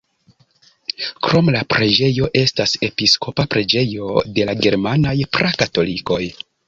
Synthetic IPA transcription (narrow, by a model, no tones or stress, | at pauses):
kɾo̞mlapɾe̞d͡ʒe̞jo̞ʔe̞stase̞pisko̞papɾe̞d͡ʒe̞jo̞de̞laɡe̞ɾmanajpɾʔakato̞liko̞j